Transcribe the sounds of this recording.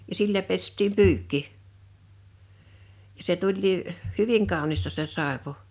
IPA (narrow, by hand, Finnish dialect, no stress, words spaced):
jɑ silːæ pestiːm pyːkːi jɑ se tulʲliː hyʋiŋ kɑˑu̞nistɑ se sɑˑepu̞